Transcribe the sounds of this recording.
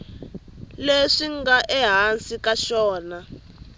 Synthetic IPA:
leʂiŋɡaʔɛɦansikaʃɔːna

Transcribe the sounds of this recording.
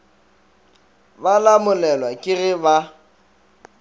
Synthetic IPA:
balamʊlɛlwakʼɪrɪba

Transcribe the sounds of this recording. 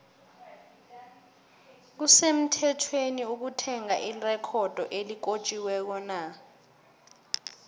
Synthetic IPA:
k̬usem̩tʰɛtʰweniuk̬utʰɛŋaʔirɛkʰɔd̥ʱɔʔelik̬ot͡ʃʼiwɛk̬ɔna

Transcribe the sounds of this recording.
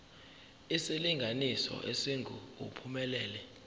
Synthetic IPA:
isiliŋɡʱanisɔ̰ʔesiŋɡʱṵupʰumɛlɛːlɛ

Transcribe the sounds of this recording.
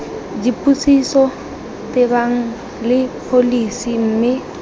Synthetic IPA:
d͡ʒipʼusisɔ | tʼɪbaŋ̩ | lɪpʰolisim̩ːmɪ

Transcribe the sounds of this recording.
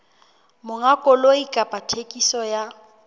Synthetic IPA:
mʊŋakʼɔloikʼapʼatʰekʼisɔja

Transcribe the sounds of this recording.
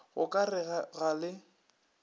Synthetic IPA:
ɣʊkʼarɪaɣalɪ

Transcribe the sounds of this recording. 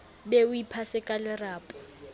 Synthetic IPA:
beʊipʰasɪkʼalɪraːpʼɔ̥

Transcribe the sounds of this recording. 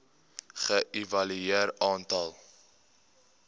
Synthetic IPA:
χəʔivɐlyeərɑːntɐlˠ

